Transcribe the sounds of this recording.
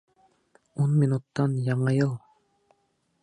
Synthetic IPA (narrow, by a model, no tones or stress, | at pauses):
onminut̪ːɑnjɑɴɑjɯlˠ